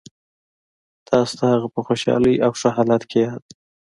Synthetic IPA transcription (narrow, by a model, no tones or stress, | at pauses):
t̪ʰɑst̪ahaɣapəxoʃɑ̰ləjawʂaɦɑlat̪kʰejɑd̪